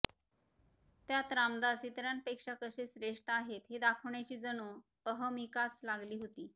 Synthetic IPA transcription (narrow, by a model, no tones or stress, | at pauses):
t̪jat̪ɾamd̪at͡sit̪ɾjanpekʂakəsesɾeʂʈəaɦet̪ɦed̪akʰəʋɳjat͡ɕiːd͡zəñupəɦəmikat͡slaɡliːɦot̪iː